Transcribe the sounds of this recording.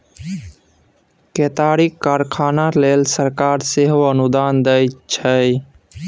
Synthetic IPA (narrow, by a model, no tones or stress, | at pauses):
ket̪aːɾikaːɾkʰaːnaleːlsəɾkaːɾseɦoənʊd̪aːnd̪əjt͡ʃʰəj